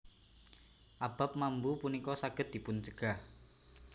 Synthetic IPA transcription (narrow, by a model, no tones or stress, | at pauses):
ʔab̥a̤p̚mambupunikɔsaɡ̥əd̪̚d̥i̤pʊnt͡ʃəɡ̥ah